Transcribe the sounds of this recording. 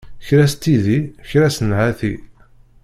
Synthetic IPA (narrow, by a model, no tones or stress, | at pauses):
çɾæst̪ːiðiçɾæsənʕaθi